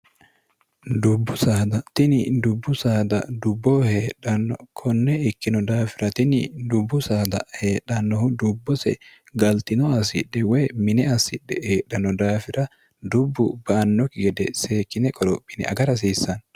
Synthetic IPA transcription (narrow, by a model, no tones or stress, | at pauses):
d̪ʊbːʊsaːd̪ɐt̪ɪnɪd̪ʊbːʊsaːd̪ɐd̪ʊbːoːheːɗɐnːɔ̰kʰɔnːɛɪkːɪnɔd̪aːfɪɾɐt̪ɪnɪd̪ʊbːʊsaːd̪ɐ̰heːɗːɐnːɔhʊd̪ʊbːɔsɛ̰ | ɡɐlt̪ɪnɔɐsɪ̰ᶑːɛweːmɪnɛɐsɪᶑːɛheːɗːɐnɔd̪aːfɪɾɐ | d̪ʊbːʊbɐːnːɔkɪɡɛd̪ɛseːkːɪnɛkʼɔɾɔpʼːɪnɛ̰ʔɐ̰ɡɐɾɐs̬iːsːɐn